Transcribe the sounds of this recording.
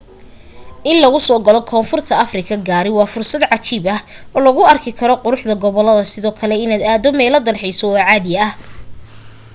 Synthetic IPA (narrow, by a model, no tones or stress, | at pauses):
ʔɪnlɐɣʊsɔːɡɐlɔkʰɔːnfʊrt̪ʰɐɐfrɪkʰɐɡaːɾɪwɑːfʊrsɐd̪ʕɑt͡ʃibɐhɔːlɐɣʊɐrkʰɪkʰɐɾɔqʊɾʊħd̪ɐɡɔβɔlːɐðɐsɪðɔːkʰɐlɛɪnaːd̪aːðɔmɛːlɐd̪ɐlħɛjsɔwɑːʕaːðɪjɐɐh